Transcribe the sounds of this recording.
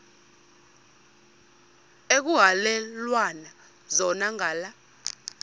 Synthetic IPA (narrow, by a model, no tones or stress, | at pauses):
ek̬uɦalɛlwana | zɔnaŋaːla